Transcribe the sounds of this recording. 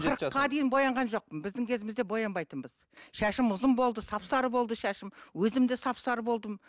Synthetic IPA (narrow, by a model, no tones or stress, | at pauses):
qəɾəqːɑd̪ejɪnbo̞jɑɴʁɑnʒo̞q̚pənbɪzd̪ɪŋkʲʰe̞zɪmɪzd̪e̞bo̞jɑnbɑjt̪ənbəz | ʃæʃɪmʊzəmbo̞lˠd̪əsɑpsɑɾəbo̞lˠd̪əʃæʃɪmwɵzɪmd̪esɑpsɑɾəbo̞lˠd̪əm